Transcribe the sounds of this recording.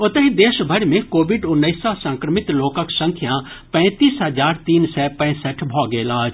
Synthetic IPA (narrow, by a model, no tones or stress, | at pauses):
ʊt̪əɦid̪eːʃbʱɐɽmẽkoːʋɪɖʊnːəisasɐ̃ŋkɾəmɪt̪loːkaksɐ̃ŋkʰjãpɛ̃ːt̪iːsɦəd͡ʒaːɾt̪iːnsɛːpɛ̃ːsəʈʰbʱɔːɡeːlaː